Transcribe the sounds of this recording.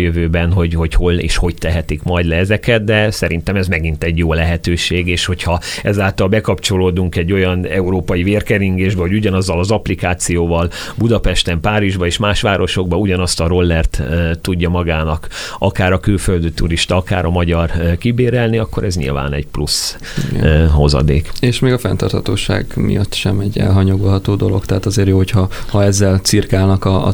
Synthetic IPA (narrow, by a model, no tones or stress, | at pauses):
jøvøːbɛnɦo̞ɟho̞cho̞lḛːʃho̞ct̪ɛɦɛt̪ikmɒjd̪lɛɛzɛkɛt̪̚d̪ɛsɛɾint̪ɛmɛzmɛɡint̪ɛɟjoːlɛɦɛt̪øːʃeːɡeːʃho̞chɒɛzaːlt̪ɒlbɛkɒpt͡ʃo̞loːd̪uŋkɛɟːo̞jɒnɛuɾoːpɒjiveːrkɛɾiŋɡeːʒbɛɦo̞ɟuɟɒnɒzːɒlɒzɒplikaːt̪sijoːvɒl | bud̪ɒpɛʃt̪ɛmpaːɾiʒbɒeːʃmaːʃʋaːɾʔo̞ʃo̞ɡ̚bɒuɟɒnɒst̪ɒɾo̞lːɛrt̪t̪ːuɟːɒmɒɡaːnɒkɒkaːɾɒkylføld̪yt̪uɾiʃt̪ɒɒka̰ːɾʔɒmɒɟɒrkibeːɾɛlniɒkːo̞ɾɛzɲḭlva̰ːnɛ̰ɟplṵs | ɦo̞zɒ̰d̪ḛːkeːʃmeːɡɒfɛ̰nt̪ɒ̰rt̪ʰhɒt̪o̰ːʃa̰ːɡmḭjɒt̪ːʃɛmɛɟːɛ̰lɦɒɲo̞ɡo̞lɦɒt̪oːd̪o̞lo̞̰kt̪ɛɦaːt̪ɒzeːɾjoːɦochɒhɒɛzːɛlt̪sirkaːlnɒkɒ̰